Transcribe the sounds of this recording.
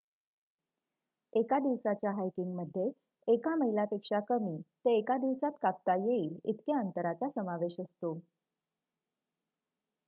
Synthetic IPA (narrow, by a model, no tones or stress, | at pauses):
ekad̪iʋsat͡ɕjaɦajkiŋɡməd̪ʱːjeː | kaməɦilapekʂakəmiːt̪eːkad̪iʋsat̪kap̚t̪ajeiːlḭt̪keənt̪əɾat͡sasəmaʋeɕəst̪o